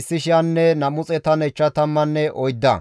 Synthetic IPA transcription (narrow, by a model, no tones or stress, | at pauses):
sːɪʃɪɐnːɛnɐmʊt͡sʼɛt̪ɐnɛt͡ʃːɐt̪ɐmːɐnːɛʔɔjd̪ːɐ̰